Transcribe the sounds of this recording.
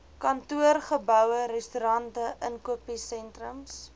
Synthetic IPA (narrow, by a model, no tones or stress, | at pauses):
kɐntuərχəbœwəɾɛstyɾɐntəʔənkuəpisɛntrəms